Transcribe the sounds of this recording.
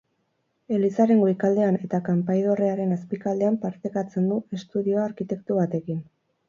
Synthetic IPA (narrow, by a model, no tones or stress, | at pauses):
e̞lisaɾe̞ŋɡoikald̪e̞ane̞t̪akampajð̞o̞reaɾe̞naspikald̪e̞ampaɾt̪ekat͡se̞nd̪ue̞st̪uðio̞aɾkit̪e̞kt̪uβat̪e̞kin